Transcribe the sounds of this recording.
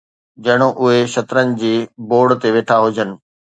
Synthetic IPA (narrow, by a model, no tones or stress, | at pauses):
d͡ʑɐɽ̃oʔʊɦeʃɐt̪ɾənɪ̆d͡ʑiːboːɽt̪eʋeːʈʰaɦʊd͡ʑʱənɪ̆